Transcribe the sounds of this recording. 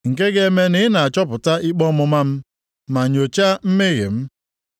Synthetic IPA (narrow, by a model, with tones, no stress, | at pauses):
ŋ̩˨ke˦ɡe˦me˦nɪ˦na˨a˨t͡ʃɔ˦pʊ˨ta˦ʔi˦k͡pɔ˦mʊ˨ma˦m̩˦ | ma˨ɲo˨t͡ʃa˦m̩˦mɪ˦ɣɪ̰˨m̩˦